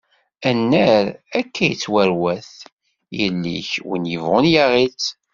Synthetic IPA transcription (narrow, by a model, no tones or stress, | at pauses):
ænːəɾækʰːæjət͡sːwæɾwæθ | jəlːḭçwə̰njəvʁʊnjaʁit͡sː